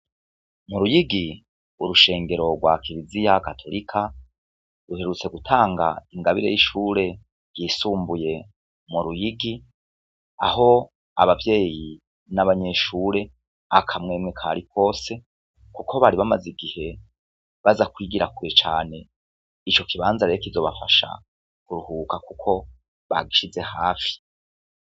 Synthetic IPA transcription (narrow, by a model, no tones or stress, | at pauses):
muɾujiɡi | uɾuʃe̞ːŋɡe̞ɾo̞ɡwakʰiɾizijakatʰo̞ɾikʰa | ɾuhe̞ɾut͡se̞ɡutʰaːŋɡa̰iŋɡaβiɾejiʃuːɾe̞ | ɡ̥jiːsuːmbuje̞ | muɾujiɡi | a̰ho̞ | a̰βavje̞ːji | naβaɲe̞ʃuːɾe̞ | akʰamŋeːmŋekʰa̰ɾikʰo̞ːse̞ | kuko̞βaɾiβamaziɡihe̞ | βazakwiːɡiɾakuɾet͡ʃaːne̞ | it͡ʃo̞kʰiβaːnzaɾeekizo̞βafaʃa̰ | kuɾuhuːkakukʰo̞ | βa̰ɡiʃize̞haːfi̥